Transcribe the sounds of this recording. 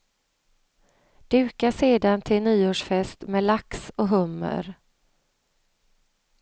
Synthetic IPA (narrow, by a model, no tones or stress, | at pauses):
d̪̥ʉ̟ːkaseːd̪ant̪ʰɪlnyːoːʂfɛst̪mɛːlaksɔɦɵmːə̰ɾ